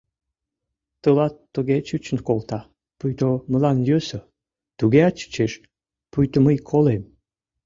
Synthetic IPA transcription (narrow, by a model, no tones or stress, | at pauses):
t̪əlɑt̪ːəɣet͡ɕɨt͡ɕənkolt̪ɑ | pujt̪oməlɑnjøsə | t̪uɣeɑt͡ɕə̥t͡ɕeʃ | pujt̪oməjkʰolem